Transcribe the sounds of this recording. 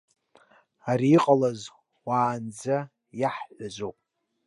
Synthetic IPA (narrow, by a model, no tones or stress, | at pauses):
aɾiːqʼalaz | waːnd͡za | jaħħʷazʷowpʼ